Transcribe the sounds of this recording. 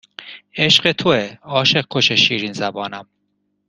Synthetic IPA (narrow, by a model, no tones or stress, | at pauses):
eʃɢet̪ʰoeɒːʃeq̚kʰːoʃeʃiːɾinzæbɒːnæm